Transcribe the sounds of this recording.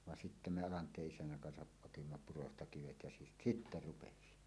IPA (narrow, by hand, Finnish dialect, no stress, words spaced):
ʋɑn sitːæ me ɑlɑntˑeːʔ ʔisænːæŋ kɑnsɑʔ ʔotimːɑ purostɑ kiʋet jɑ si sitːæ rupesi